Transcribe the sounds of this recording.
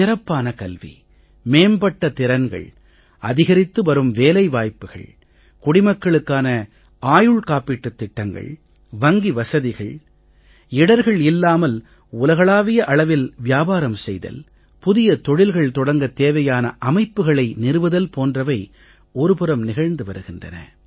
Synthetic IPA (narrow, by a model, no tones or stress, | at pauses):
t̪ɪɾɐpːaːnɐkɐlʋḭ | meːmbɐʈːɐt̪ɪɾɐnɡɐ̰ɭ | ɐðɪɣɐɾɪt̪ːɯʋɐɾɯmʋeːlɐɪʋaːjpːɯɣɐ̰ɭ | kʊɽɪmɐkːɐɭɯkːaːnɐ | aːjɯɭkaːpːɪʈːɯt̪ːɪʈːɐŋɡɐ̰ɭ | ʋɐŋɡiʋɐsɐðɪɣɐɭ | ɪɽɐɾɣɐɭɪlːaːmɐl | ʊlɐɣɐɭaːʋɪjɐʔɐɭɐʋɪlʋɪjaːbaːɾɐmsɛjðɐ̰l | pʊðɪjɐt̪ɔɻɪlɣɐɭt̪ɔɽɐŋɡɐt̪eːʋɐjaːnɐʔɐmɐɪpːɯɣɐɭɐɪnɪɾɯʋɐðɐlpoːndrɐʋɐɪ | ɔɾɯpɯɾɐmnɪɣɐɻnd̪ɯʋɐɾɯɣɪndrɐ̰nɐ̰